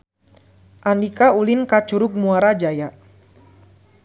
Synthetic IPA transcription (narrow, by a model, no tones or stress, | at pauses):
ʔandikaulinkat͡ʃuɾʊk̚muaɾad͡ʒaja